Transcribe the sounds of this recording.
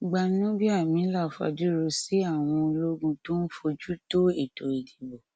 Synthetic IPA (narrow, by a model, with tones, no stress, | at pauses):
ɡ͡ba˧nĩ˦nɔ̃˦bi˦a˦˨mĩ˨˦la˦˨fa̰˧˨di˦ɾo˧si˦a˦˨w̃ɔ̃˧lo˦ɡũ˧to˦n̩˦fo˧d͡ʒu˦to˦e˦˨to˨i˨di˨bo˨